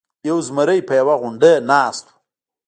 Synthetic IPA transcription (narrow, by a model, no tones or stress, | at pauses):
jawzməɾəjpəjawaɣʊɳɖənɑːst̪u̥